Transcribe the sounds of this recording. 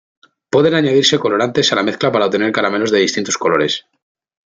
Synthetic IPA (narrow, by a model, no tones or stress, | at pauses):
pwe̞ð̞e̞naɲað̞iɾse̞ko̞lo̞ɾant̪e̞salame̞θklapaɾaot̪e̞ne̞ɾkaɾame̞lo̞zðe̞ðist̪int̪osko̞lo̞ɾe̞s